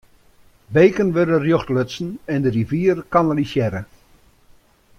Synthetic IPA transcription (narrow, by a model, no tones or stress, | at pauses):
beːkənʋøɾərjoxtløsn̩ɛndəriviːərkanəlisjɛɾə